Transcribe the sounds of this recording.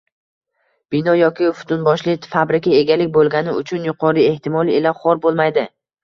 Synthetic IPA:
b̥ɪnɒjɒkʲɪʊfʊ̥t̪ʰʊnbɒʃlɪfabɾɪkʲae̞ɡʲalɪkʲbolˠɡʲanɪʊt͡ʃʰʊnjʊqʰɒɾie̞ht̪ʰɪmɒlˠiɪlaχɒɾbolˠmajd̪ɪ

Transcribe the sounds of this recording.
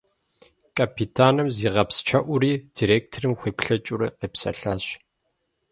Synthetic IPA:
kʰʼapʰitʰaːnɨmziːʁɐpst͡ʃʰɐʔʷʊɾiːd̥iːɾeːk̚tʰrɨmxʷeːpɬɐt͡ʃʼʊɾɐ̰qeːpsɐ̰ɬaːɕ

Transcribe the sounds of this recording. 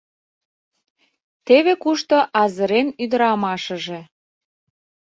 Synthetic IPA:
t̪eβekuʃt̪oʔɑzəɾenyd̪ə̆ɾɑmɑʃə̆ʒe

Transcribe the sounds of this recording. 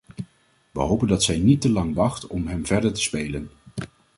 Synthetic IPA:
ʋə̰ɦowpəndɑtsɛjnitəlɑŋʋɑχtɔmɦɛmvɛɹdəɹtə̥spejlən

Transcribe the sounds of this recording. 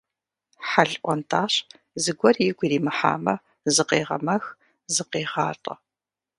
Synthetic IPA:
ħaɮʔʷɔntʰaːɕ | zɨɡʷɔrjɪɡʷiɾiːmɨħa̰ːmɐ | zɨqeːʁɐ̰mɐx | zɨqeːʁɑːtʼɐ

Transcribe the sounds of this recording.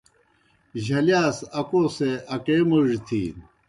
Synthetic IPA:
ʑɐljaːsɐkoːseʔɐkeːmuʐt̪ʰḭːn

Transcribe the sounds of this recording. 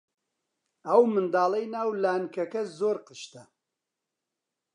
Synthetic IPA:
ɐwmɨnd̪aːlˠejnaːwlaːnkɐkɐzoːɾqɨʃt̪ɐ

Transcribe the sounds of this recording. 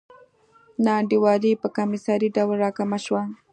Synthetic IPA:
naːɳɖɪwaːlipakamɪsaɾiɖawlɾaːkamaʃwaŋ

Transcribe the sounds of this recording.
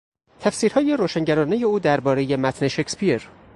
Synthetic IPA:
t̪ʰæfsiːɾhɒːje̞ɾoːʃæŋɟæɾɒːneje̞uːd̪æɾbɒːɾe̞je̞mæt̪ʰne̞ʃecʰspieɾ

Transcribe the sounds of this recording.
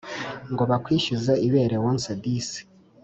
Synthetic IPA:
ŋɡoβakwiːʃizeiβe̞ːɾewonsadisi̥

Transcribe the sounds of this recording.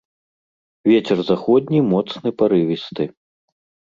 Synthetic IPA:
vʲɛt͡sʲɛrzaxɔd̪̚ʲnʲimɔt̪snɨpaɾɨvʲist̪ɨ

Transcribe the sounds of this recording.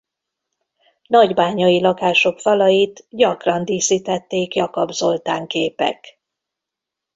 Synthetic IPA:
nɒɟbaːɲɒjilɒkaːʃo̞kfɒlɒjit̪ɟɒkrɒnd̪iːsiːt̪ɛt̪ːeːkjɒkobzo̞lt̪aːŋkeːpɛ̰k

